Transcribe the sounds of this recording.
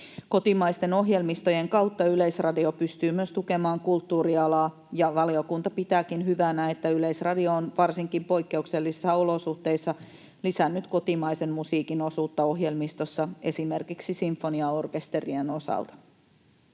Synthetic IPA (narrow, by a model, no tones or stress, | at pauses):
ko̞t̪imɑjst̪e̞no̞ɦje̞lmist̪o̞je̞ŋkɑwt̪ːɑyle̞jsrɑdio̞pyst̪yːmyøst̪uke̞mɑːŋkult̪ːuːɾiɑlɑː | jɑʋɑlio̞kunt̪ɑpit̪æːkinɦyʋænæet̪ːæyle̞isrɑdio̞ːnʋɑrsiŋkimpo̞jkːe̞ukse̞lːisesːɑo̞lo̞suht̪e̞jsːɑ | lisænːyt̪ko̞t̪imɑjse̞nmusiːkinosuːt̪ːɑo̞ɦje̞lmist̪o̞sːɑe̞sime̞rkiksisiɱfːo̞niɑorke̞st̪e̞rieno̞sɑ̰lt̪ɑ̥